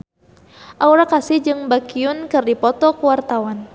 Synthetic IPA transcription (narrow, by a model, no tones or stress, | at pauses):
ʔauɾakasɪhd͡ʒɨŋbakiʊnkɨrdipɔt̪ɔkuwart̪awan